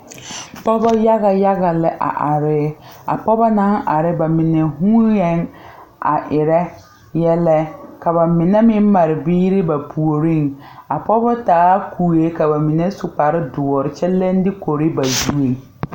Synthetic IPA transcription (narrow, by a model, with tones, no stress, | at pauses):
pɔ˦bɔ˦ja˦ɣa˨ja˦ɣa˨lɪ˦ʔa̰˨ʔa˨ɾɪ˦a̰˨pɔ˦bɔ˦na˦ŋʔa˨ɾɪ˦ba˨mɪ˨nɛ˨ɦuː˦jɛ˦ŋ | a˨ʔɪ˨ɾɛ˦ | jɛ˦lɛ˦ka˨ba˨mɪ˨nɛ˦mɪ˦m˦ma˨ɾɪ˨biː˦ɾɪ˦ba˨pʰu˨o˨ɾi˦˨ŋa˨pɔ˦bɔ˦taː˨˦kʰuː˨je˦ka˨ba˨mɪ˨nɛ˦sʊ˨k͡pa˨ɾɪ˦dʊ˨ɔ˨ɾɪ˨t͡ʃɛ˦lːɛ˦n˦dɪ˦ko˨ɾɪ˦ba˨zu˦e˨ŋ